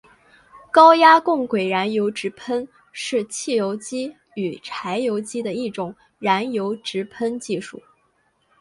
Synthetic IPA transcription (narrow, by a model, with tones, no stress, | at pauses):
kɑ˥ʊja˥kʊ˥˩ŋkwe˨˩ɪɻa˧˥njo˧˥ʊʈ͡ʂɻ̩˧˥pʰə˥n | ʂɻ̩˥˧t͡ɕʰi˥˩jo˧˥ʊt͡ɕi˥ | y˨˩ʈ͡ʂʰa˧˥ɪjo˧˥ʊt͡ɕi˥d̪ə˨i˥˩ʈ͡ʂʊ˨˩˦ŋ | ɻa˧˥njo˧˥ʊʈ͡ʂɻ̩˧˥pʰə˥nt͡ɕi˥˧ʂu˥˩